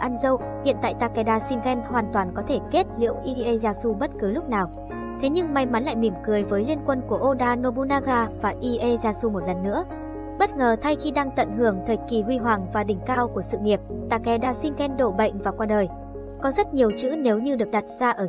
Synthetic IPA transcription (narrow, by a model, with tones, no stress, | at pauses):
ʔaː˧nzə˧w | hḭ˧˨ənt̪a̰ː˧˨jt̪aː˧˩kɛ˨˧˩ɗaː˧si˧nɣɛ˧nhwaː˨˩nt̪waː˨˩nkɔ˨˦t̪ʰe˧˩ke˦˥t̚lḭ˧˥əwʔi˧ʔe˧zaː˧su˧ɓə˦˥t̚kɨ˨˦lʊ˦˥k͡p̚naː˨˩w | t̪ʰe˨˦ɲɨ˧ŋma˧˩jma˨˦nla̰ː˧˨jmi˨˧˩mkɨ˨˩əjvəː˨˦jli˧ənkwə˧nku˧˩əʔo˧ɗaː˧no˧ɓo˧naː˧ɣaː˧vaː˨˩ʔi˧ʔe˧zaː˧su˧mo˨˩t̚lə˨˩nːɨ̰˧˥ə | ɓə˦˥t̚ŋəː˨˩t̪ʰa˧jxi˧ɗaː˧ŋt̪ə̰˧˨nhɨ˧˩əŋt̪ʰə˨˩t̚ki˨˩hwi˧ɦwaː˨˩ŋvaː˨˩ɗï˧˩ŋ̟kaː˧wku˧˩əsɨ̰˧˨ŋi˨˩əp̚t̪aː˧kɛ˨˧ɗaː˧˩si˧nɣɛ˧nɗo̰˧˨ɓə̰˧˨jŋ̟vaː˨˩kwaː˧ɗəː˨˩j | kɔ˨˦zə˦˥t̚ɲi˨˩əwt͡ɕɨ̰˧˥ne˨˦wɲɨ˧ɗɨ˨˩ək̚ɗa˨˩t̚z̥aː˧ʔəː˧˩